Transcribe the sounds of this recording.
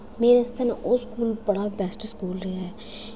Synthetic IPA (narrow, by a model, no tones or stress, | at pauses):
meːɾest̪ənʔoːskuːlbɐɽabɛːsʈskuːlɾɐɦaɦɛː